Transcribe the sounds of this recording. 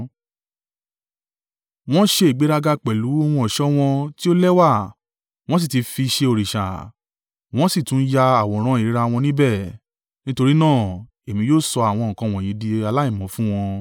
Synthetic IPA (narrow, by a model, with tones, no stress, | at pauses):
w̃ɔ̃˦ʃe˧i˨ɡ͡be˨˦ɾa˧ɡa˧k͡pɛ˨lu˨˦o˧wɔ̃˧ɔ˨ʃɔ˦w̃ɔ̃˧ti˦o˦lɛ˦wa˦˨ | w̃ɔ̃˦s̬i˦˨ti˨˧fi˧ʃe˧o˨ɾi˨ʃa̰˨ | w̃ɔ̃˦si˦˨tũ˨˦ja˧a˦˨wɔ̃˨ɾ̃ã˦i˨ɾi˨˦ɾa˧w̃ɔ̃˧nĩ˦bɛ˦˨ | nĩ˦to˧ɾi˦nãː˦˨ | e˨mĩ˧joː˦˨sɔ˧a˨w̃ɔ̃˧ŋ̩˨kã˧˨w̃ɔ̃˨jĩ˨˦di˧a˧la˦ĩ˦˨mɔ̃˨˦fũ˦w̃ɔ̃˧